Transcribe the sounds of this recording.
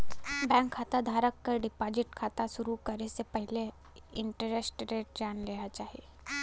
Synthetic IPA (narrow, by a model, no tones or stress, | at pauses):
bɛ̃ːŋkʰːaːt̪ad̪ʱaːɾəkːəɾɖɪpaːd͡ʒɪʈkʰaːt̪aʃʊɾukɐɾesepɛɦle | ɪ̃ɳʈəɾesʈɾeːʈ̚d͡ʒaːnleːat͡ʃaːɦie